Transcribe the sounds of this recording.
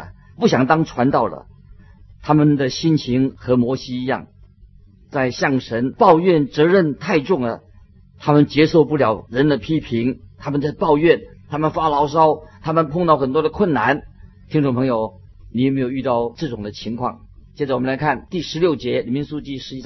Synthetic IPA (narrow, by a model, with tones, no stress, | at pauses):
pu˥˩ɕjɑ˨˩ŋt̪ɑ˥ŋʈ͡ʂʰwa˧˥nt̪ɑ˥˩ʊlə̰˩ | t̪ʰa˥mə˨nd̪ə˨ɕi˥nt͡ɕʰi˧˥ŋxɤ˧˥mwɔ˧˥ɕi˥i˧˥jɑ̰˥˩ŋ | t͡sa˥˧ɪɕjɑ˥˩ŋʂə˧˥npɑ˥˧ʊɥɛ˥˩nt͡sɤ˧˥ɻə˥˧nt̪ʰa˥˧ɪʈ͡ʂʊ˥˩ŋd̪ə̰˩ | t̪ʰa˥mə˨nt͡ɕjɛ˧˥ʂo˥˧ʊpu˥˩ljɑ˨˩ʊɻə˧˥nd̪ə˧pʰi˥pʰi˧˥ŋt̪ʰa˥mə˨nt͡sa˥˧ɪpɑ˥˧ʊɥɛ˥˩nt̪ʰa˥mə˨nfa˥lɑ˧˥ʊʂɑ˥ʊt̪ʰa˥mə˨npʰʊ˥˧ŋt̪ɑ˥˩ʊxə˨˩nt̪wɔ˥d̪ə˨kʰwə˥˩nna˧˥n | t̪ʰi˥ŋʈ͡ʂʊ˥˩ŋpʰɤ˧˥ŋjo˨˩ʊ | ni˨˥˩jme˧˥ɪjo˨˩y˥˧t̪ɑ˥˧ʊʈ͡ʂɤ˥˩ʈ͡ʂʊ˨˩ŋd̪ə˦t͡ɕʰi˧˥ŋkʰwɑ̰˥˩ŋ | t͡ɕjɛ˥˩t͡sa˧˩wmə˦nla˧˥kʰa˥˩nt̪i˥˩ʂɻ̩˧˥ljo˥˩ʊt͡ɕjɛ˧˥li˨˩mi˧˥nsu˥˧t͡ɕi˥˩ʂɻ̩˧˥i˥